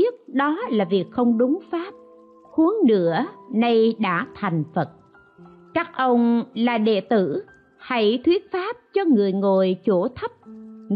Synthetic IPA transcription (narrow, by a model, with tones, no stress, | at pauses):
ət̚ɗɔ˨˦laː˨˩vi˨˩ək̚xə˧wŋ͡mɗʊ˨˦ŋ͡mfaː˦˥p̚ | xu˨˦əŋnɨ̰˧˥ənə˧jɗa̰ː˧˥t̪ʰa˨˩jŋ̟fə˨˩t̚ | t͡ɕaː˦˥k̚ʔə˧wŋ͡mlaː˨˩ɗḛ˧˨t̪ɨ˧˩ | ha˧˩jt̪ʰwi˦˥ət̚faː˦˥p̚t͡ɕɔ˧ŋɨ˨˩əjŋo˨˩jt͡ɕo˧˩t̪ʰə˦˥p̚ŋ